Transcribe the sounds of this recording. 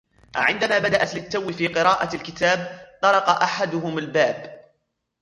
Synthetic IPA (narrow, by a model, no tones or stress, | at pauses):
ʕɪnd̪amaːbad̪aʔat̪lɪt̪ːawːɪfiːqɨɾɑːʔalkɪt̪aːb̚t̪ˤɑɾˤɑqɑʔaħad̪ʊɦʊmalbaːb